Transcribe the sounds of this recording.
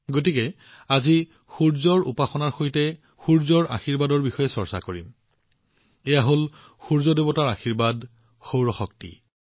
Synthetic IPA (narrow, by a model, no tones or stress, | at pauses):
ɡot̬ikɛ | azi | xuɹzɔɹṵpaxɔnaɹxojtɛ | xuɹzɔɹa̰xiɹbadɔɹbixɔjɛsɔɹsa̰koɹḭm | ɛjaɦol | xuɹzɔdebɔtaɹaxiɹbad | xowɹɔxɔk̚tḭ